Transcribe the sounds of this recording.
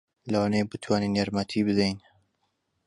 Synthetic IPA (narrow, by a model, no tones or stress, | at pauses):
lɐwaːnebɨt̪ʰwaːninjaɾmat̪ʰibɨd̪ejn